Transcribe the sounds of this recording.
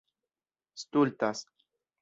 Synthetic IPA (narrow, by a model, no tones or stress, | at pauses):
st̪ult̪as